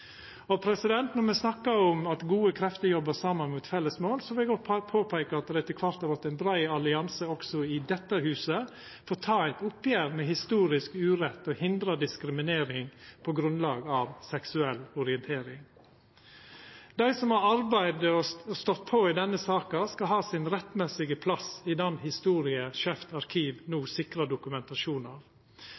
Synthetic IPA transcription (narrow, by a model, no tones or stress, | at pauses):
ɔpʰɾɛsɪd̪ɛnt̪nɔɾmɛsnɑkːəɔmɑt̪ɡuːəkʰɾɛft̪əjɔbəsɑːmːənmuːt̪fɛlːəsmoːlsɔʋɪlɡɔt̪pʰoːpʰæɪkəɑt̪̚d̪ɾæɪt̪ʰɪlkʰʋɑɾt̪hɑɾʋɑt̪ːæɪnbɾæɪɑlɪɑnsəɔksɔɪd̪ɛt̪ːəhʉːsə | foːt̪ʰɑːæɪt̪ʊpjæːɾmɛhɪst̪uːɾɪskʉːɾɛt̪ːɔhɪnd̪ɾɑd̪ɪskɾɪmɪneːɾɪŋpʰoːɡɾʉnlɑːɡɑːʋsɛksʉɛlɔɾɪənt̪ʰeːɾɪŋ | d̪æɪsɔmhɑɾɑɾbæɪd̪əɔɔst̪ɔt̪̚pʰoid̪ɛnːəsɑːkɑskɑhɑːsɪnɾɛt̪ːmɛsɪɡəpʰlɑsid̪ɛnhɪst̪uːɾɪəʃɛft̪ɑɾkʰiːʋnuːsɪkɾɑd̪ʊkʉmɛnt̪ɑʃuːnɑːʋ